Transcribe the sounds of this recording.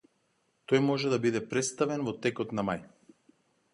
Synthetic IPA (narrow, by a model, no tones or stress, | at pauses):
t̪ɔjmɔʒɛd̪abid̪ɛpɾɛt̪st̪avɛnvɔt̪ɛkɔt̪namaj